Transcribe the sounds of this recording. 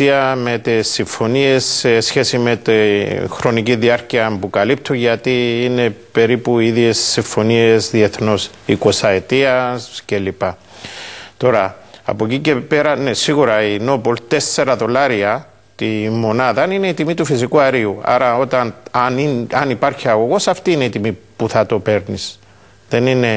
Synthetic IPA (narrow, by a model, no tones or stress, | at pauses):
iɐme̞t̪isːiɱfo̞nie̞sesçe̞sime̞t̪ixɾo̞niciðiɐɾciɐmpukɐlip̚t̪ʰuɲʝɐt̪iːne̞pe̞ɾipuiðje̞sːiɱfo̞nie̞zðie̞θno̞s | iko̞sɐet̪iɐsce̞lipa | t̪o̞ɾɐ̰ːpo̞cice̞pe̞ɾɐnesiɣuɾɐino̞po̞lt̪e̞sːe̞ɾɐðo̞laɾiɐ | t̪imːo̞naðɐnine̞it̪imit̪ufis̬ikuɐɾiua̰ɾɐo̞t̪ɐnniɐnipaɾçiɐɣo̞ɣo̞sɐft̪iːne̞it̪imipuθɐt̪o̞pe̞ɾnis | ðe̞nine̞